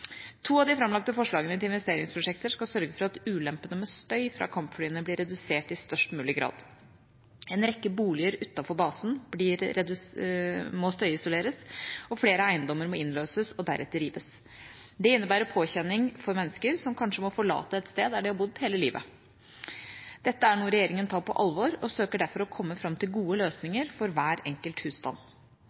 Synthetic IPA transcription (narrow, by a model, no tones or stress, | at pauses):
t̪ʰuːɑʋd̪ɪfɾɑmlɑk̚t̪əfɔʂɭɑːɡənət̪ɪɪnʋɛst̪eːɾɪŋspʰɾʊʂɛk̚t̪əʂkɑlsœɾɡəfɔɾɑt̪ʉːlɛmpənəmɛst̪œʏfɾɑ̰kʰɑmpfɽyːənəblɪɾɛd̪ʉseːʈɪst̪œʂʈmʉːlɪɡɾɑ̰ːd̪ | ɛnɾɛkːəbuːlɪəɾʉt̪ːɑfɔɾbɑːsn̩blɪɾɛd̪ | mɔst̪œʏɪsʊleːɾəsɔfleːɾəæɪənd̪ɔmːəɾmɔɪnløːsəsɔd̪æ̰ɾʔɛ̰t̪ːəɾiːʋəs | d̪ɛɪnːəbæːɾəpʰoːçɛnːɪŋfɔɾmɛnːəskəɾsɔmkʰɑnʂəmɔfɔɭɑ̰ːt̪əɛt̪st̪eːd̪æɖɪhɑɾbʊd̪heːləliːʋə̰ | d̪̥ɛt̪ːəæɳuːəɾɛjeːɾɪŋənt̪ʰɑːɾpʰɔʔɑlʋɔɾɔsøːkəɖæɾfɔɾɔkʰɔmːəfɾɑmt̪ʰɪlɡuːəløːsnɪŋəɾfɔɾʋæːɾɛŋkəlt̪hʉːst̪ɑ̰n